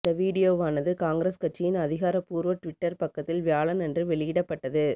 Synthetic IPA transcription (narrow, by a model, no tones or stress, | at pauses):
t̪ɐʋiːɽɪjoːʋaːnɐðɯkaːŋɡɾeːskɐʈ̚t͡ʃːɪjɪnɐðɪɣaːɾɐpuːɾʋɐʈʋɪʈːɐɾpɐkːɐt̪ːɪlʋjaːɭɐnɛndrɯʋɛɭɪjɪɽɐpːɐʈːɐðɯ